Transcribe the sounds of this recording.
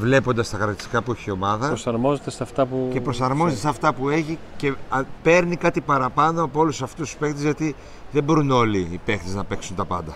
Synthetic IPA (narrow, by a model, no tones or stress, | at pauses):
vle̞po̞nd̪ɐst̪ɐkɾɐt̪i̥sikɐpueçio̞mɐðɐpɾosɐɾmo̞zet̪esɐft̪ɐpuce̞pɾo̞sɐɾmo̞zet̪esɐft̪ɐpue̞çi | ce̞pe̞ɾnikɐt̪ipɐɾɐpɐno̞ɐpoolusɐft̪ust̪u̥spe̞xt̪ezʝɐt̪i | ðebo̞ɾuno̞liːpe̞xt̪eznɐpe̞ksunt̪ɐpɐnd̪ɐ